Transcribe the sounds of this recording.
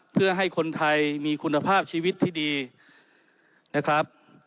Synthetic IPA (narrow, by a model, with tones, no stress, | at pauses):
pʰɯ˥˩ɐɦa˥˩jkʰo˧nt̪ʰa˧jmiː˧kʰu˧nːa˧pʰaː˥˩p̚t͡ɕʰiː˧wi˦˥t̪ʰːiː˥˩diː˧ | na˦˥˩kʰɾa˦˥p̚